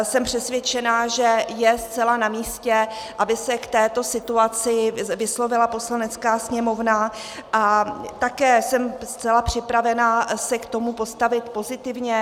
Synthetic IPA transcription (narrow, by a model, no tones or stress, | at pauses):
sɛmpr̝̥ɛsvjɛt͡ʃɛnaʒɛjɛst͡sɛlanamiːscɛʔabɪsɛkt̪ɛːt̪o̞sɪt̪uat͡sɪvɪslo̞vɪlapo̞slanɛt͡skaːsɲɛmo̞vna | ʔat̪akɛːsɛmst͡sɛlapr̝̥ɪpɾavɛnasɛkt̪o̞mupo̞st̪avɪt̪po̞zɪt̪ɪvɲɛ